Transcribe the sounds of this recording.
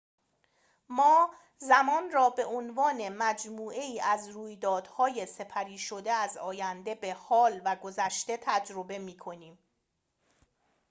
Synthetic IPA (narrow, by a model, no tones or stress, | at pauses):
mɒː | zæmɒːnrɒːbe̞ʔonvɒːne̞mæd͡ʒmuːʔe̞iːʔæzruːjd̪ɒːd̪̥hɒːje̞se̞pʰæɾiːʃo̞d̪e̞æzɒːjænd̪e̞be̞hɒːlvæɡo̞zæʃt̪e̞t̪ʰæd͡ʒɾo̞be̞miːkʰo̞niːm